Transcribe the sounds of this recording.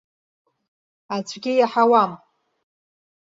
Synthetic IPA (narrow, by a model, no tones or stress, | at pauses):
at͡sʷʰʼɡʲɪjaħawam